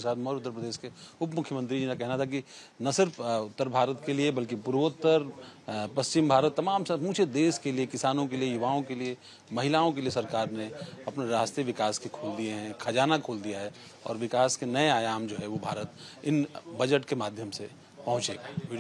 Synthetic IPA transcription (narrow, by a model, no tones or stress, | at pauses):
saːt̪mɐɦɾʊt̪ːəɾpəd̪eːʃkeʊpmʊkʰjəmə̃nt̪ɾid͡ʒiːnakɛɦnat̪ʰaki | nɐsɪɾfʊt̪ːəɾbʱaːɾət̪keliebɐlkipʊɾʋət̪ːəɾpɐst͡ʃɪmbʱaːɾət̪ːɐmaːmsɐmũːt͡ʃʰed̪eːʃkeliekɪsaːnõkeliejʊʋaːõkelie | mɐɦɪlaːõk̬eliesɐɾkaːɾneɐpneɾaːst̪ɾiʋɪkaːskekʰoːld̪ieɦɛ̃kʰɐd͡ʒaːnakʰoːld̪ijaɦɛ | ɔ̰ːɾʋɪkaːskenɐeaːjaːmd͡ʒoːɦɛʋobʱaːɾət̪ɪnbɐd͡ʒəʈkemaːd̪ʱjəmse | pɐɦʊ̃t͡ʃeːɡaʋi